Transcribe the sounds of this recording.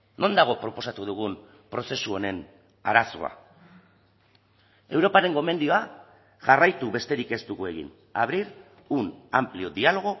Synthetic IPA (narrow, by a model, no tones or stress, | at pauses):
no̞nd̪aɣ̞o̞pɾo̞po̞sat̪uð̞uɣ̞un | pɾo̞se̞suo̞ne̞n | aɾaso̞̰a̰ | e̞wɾopaɾe̞ŋɡo̞me̞nd̪io̞a | ʝarajt̪uβe̞st̪e̞ɾike̞st̪ukue̞ɣḭn | a̰βɾiɾ | una̰mplio̞ðialo̞ɣ̞o̞